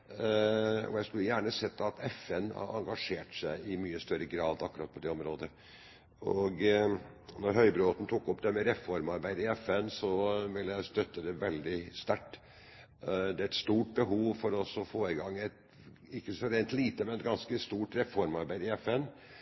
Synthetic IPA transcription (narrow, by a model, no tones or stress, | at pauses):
ɔ̰jæɪskʉlːəjæːɳəsɛt̪ːɑt̪ɛfɛnɑ̰ɑ̰ŋɡɑʂeːʈsæɪɪmyːəst̪œɾəɡɾɑːd̪ɑkːɾɑːt̪pɔd̪ɛɔmɾoːd̪ə | ɔɡ | nɔɾɦœʏbɾoːt̪n̩t̪ʰuːkɔpd̪ɛmɛɾɛfɔɾmɑɾbæɪd̪ɪɛfɛnsɔʋɪlːjæɪst̪œt̪ːəd̪ɛʋɛld̪ɪst̪æʈː | d̪ɛæɾɛt̪st̪uːʈ̚bəɦuːʋfɔɾɔsɔfoːɪɡɑŋːɛt̪ | ɪkːəsɔɾeɪnt̪liːt̪əmɛnɛt̪̚ɡɑnskəst̪uːʈɾɛfɔɾmɑɾbæɪd̪ɪɛfɛn